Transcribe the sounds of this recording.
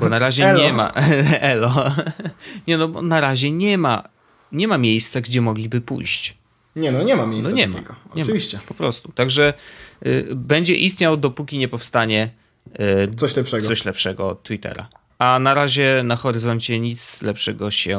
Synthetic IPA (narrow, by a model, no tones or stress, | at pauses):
bɔnaɾaʑɛɲɛma̰ɛlɔ | ɲɛnɔbɔ̰naɾaʑɛɲɛma̰ | ɲɛmamʲjejst̪saɡd͡ʑɛmɔɡlʲibɘpṵjɕt͡ɕ | ɲɛnɔɲɛmamʲejsnɔɲɛmɛ̰ɡɔɔɲɛmaviɕt͡ɕɛpɔpɾɔst̪ut̪aɡʐɛ | bɛɲd͡ʑɛ̰ʔist̪ɲawd̪ɔpukʲiɲɛpɔfst̪aɲɛ | sɔɕlɛpʂɛɡsɔɕlɛpʂɛɡɔt̪ːwit̪ɛ̰ɾa̰ | anaɾaʑɛnaxɔɾɘzɔɲt͡ɕɛɲit̪slɛpʂɛɡɔɕɛ